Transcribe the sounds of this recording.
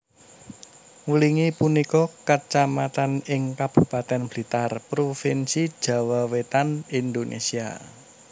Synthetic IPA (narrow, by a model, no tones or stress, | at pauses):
ŋuliŋipunikɔkət͡ʃamat̪anɪŋkab̥ṳpat̪ɛnbli̤t̪arpɾofinsid̥ʒ̥a̤wawet̪anind̪onʔḛsia̰